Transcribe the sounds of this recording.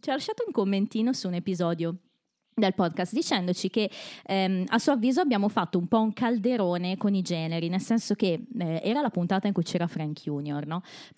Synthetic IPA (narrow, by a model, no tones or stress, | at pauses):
t͡ʃiɔlaʃːaːt̪ouŋkomːent̪iːnosuːnepizɔːd̪jo | d̪elpɔd̪̚kast̪̚d̪it͡ʃɛnd̪ot͡ʃikeɛasuoavːiːzoabːjaːmofat̪ːoumpɔuŋkald̪eɾoːnekonid͡ʒɛːneɾinelsɛnsok̟eɛʔɛːɾalapunt̪aːt̪aiŋkujt͡ʃɛːɾafɾaŋkʰjuːnjornɔ